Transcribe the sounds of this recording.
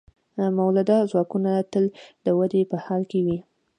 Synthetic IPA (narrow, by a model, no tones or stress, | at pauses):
mawlad̪ɑzwɑkunat̪əld̪əwad̪epəhɑlkewi